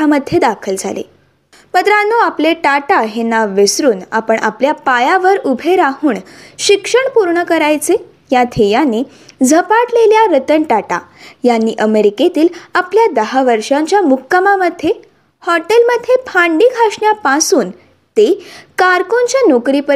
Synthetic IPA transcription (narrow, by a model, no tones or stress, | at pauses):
aməd̪ʱːjed̪akʰəld͡zʱa̰lḛ | mət̪ɾanːoapleʈaʈaɦenaʋesɾuːna̰pəɳʔa̰pljapajaʋəɾubʱeɾaɦuːɳɕikʂəɳpuɾɳəkəɾajt͡se | jat̪ʰejane | d͡zʱəpaʈleljaɾət̪əɳʈaʈa̰janːiːʔəmeɾiket̪iːlapljad̪əɦaʋəɾʂãɲt͡ɕjamukːəmaməd̪ʱːe | hɔʈelməd̪ʱːepʰaɳɖiːɡʱaʂɳjapãsuːn | t̪ekaɾkoɲt͡ɕjanokɾipə